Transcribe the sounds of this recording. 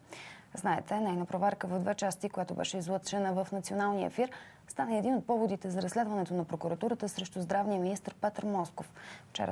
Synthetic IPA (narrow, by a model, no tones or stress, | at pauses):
znaɛt̪ʰɛnɛjnəpɾovɛɾkəvəvd̪vɛt͡ʃast̪ikojat̪obɛ̰ʃɛizlˠɤt̪t͡ʃɛnəvəfnɐt̪sionalˠniə̰fiɾ | st̪aniɛd̪inot̪̚pɔvod̪it̪ɛzɐɾɐsːlɛd̪vənɛt̪onɐpɾokuɾɐt̪uɾət̪əsɾɛʃt̪uzd̪ɾavniəminist̪əɾpɛt̪əɾmɔskofft͡ʃɛ̰ɾ̰